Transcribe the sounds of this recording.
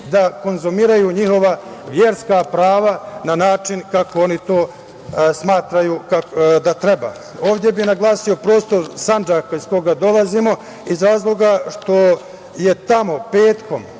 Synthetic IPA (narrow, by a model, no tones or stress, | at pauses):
d̪ako̞nzumiːɾajuɲiho̞ʋaʋjeɾskapɾaːʋananaːt͡ʃinkako̞o̞nit̪o̞ː | smaːt̪ɾajukakd̪at̪ɾe̞ba̰ | o̞ːʋd̪je̞binaɡlˠaːsio̞pɾo̞ːst̪o̞ɾsand͡ʒakaiz̥ko̞ɡad̪o̞lazimo̞ | izɾaːzlˠo̞ɡaʃt̪o̞ | je̞t̪amo̞peːt̪ko̞m